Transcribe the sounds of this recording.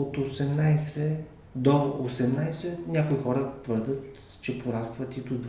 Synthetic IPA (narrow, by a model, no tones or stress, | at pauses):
ot̪osɛmnajsɛ | d̪oosɛmnajsɛnʲjakoixɔɾət̪vɤɾd̪ət̪ | t͡ʃɛpoɾast̪vət̪it̪ʊd̪